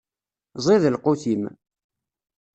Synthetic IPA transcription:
zˤiðəlquθim

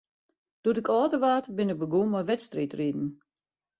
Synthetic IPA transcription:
d̥oədɪkʰɔːtəʋaːtəbɪnɪk̚bəɡumɔjʋɛtstritridn̩

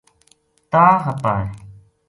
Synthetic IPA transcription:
t̪aːɦət̪aːe

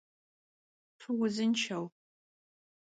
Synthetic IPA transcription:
ʈ͡ʂʰuwʊzɨnt͡ʃʰɐw

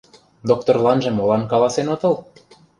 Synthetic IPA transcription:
d̪ok̚t̪orlˠɑnʒĕmolɑnkɑlɑsenot̪ɤ̆lˠ

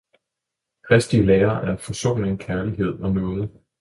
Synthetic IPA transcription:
kʰʁɛsd̥iəleːɐʔæɐfɒ̽so̝̰ːneŋkʰæɐliɦe̝ð̞̰ˠɒ̽nɔ̽ːð̞̩ˠ

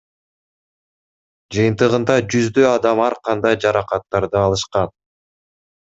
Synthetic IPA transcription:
d͡ʒɯjɯnt̪ɯʁɯnd̪ɑd͡ʒyzd̪øɑd̪ɑmɑɾqʰɑnd̪ɑjd͡ʒɑɾɑqɑt̪ːɑɾd̪ɯɑlˠɯʃqɑn

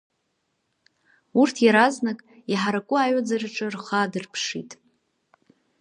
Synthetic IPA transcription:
urtʰjaɾaznakʼiħaɾakʷʼʊajad͡zaraʈ͡ʂʼɨrχadɨrpʰʂḭtʼ

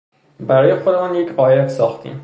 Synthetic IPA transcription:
bæɾɒːjexod̪emɒːnjecʰɢɒːjet̪sɒːxt̪ʰḭːm

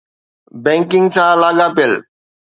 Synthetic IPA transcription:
bẽːŋkɪ̃ŋɡsãːlaːɠaːpiəl

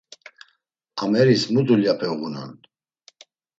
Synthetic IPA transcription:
amɛɾismud̪uljapʰɛɣunɔ̰n

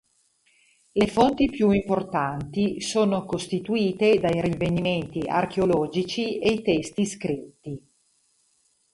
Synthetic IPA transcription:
lefont̪ipjuimport̪ant̪isoːnokost̪it̪uiːt̪ed̪ajɾiveniment̪iʔa̰rk̟eolɔːd͡ʒit͡ʃiejt̪ɛst̪iskɾit̪ːi

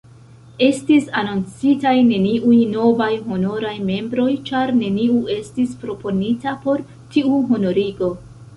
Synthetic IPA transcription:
e̞stisanont͡sitajne̞niʔujno̞vajɦo̞no̞ɾajme̞mbɾo̞jt͡ʃaɾne̞niue̞stispɾo̞po̞nitapo̞ɾ | tiuɦo̞no̞ɾiɡo̞

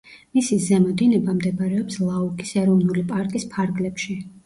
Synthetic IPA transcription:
misizɛmɔd̪inɛbamd̪ɛbaɾɛɔpslˠaukʼisɛɾɔvnulipʼaɾkʼispʰaɾɡlɛpʃi

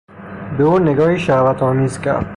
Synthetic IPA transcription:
b̪oːnɪɡɔːiʃaːwat̪ɔːmiːzka̰ɾ

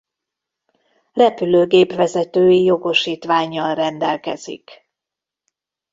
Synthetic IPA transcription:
rɛpyløːɡeːpʋɛzɛt̪øːjijo̞ɡo̞ʃiːt̪ʋaːɲːɒlrɛnd̪ɛlkɛ̰z̥ḭk

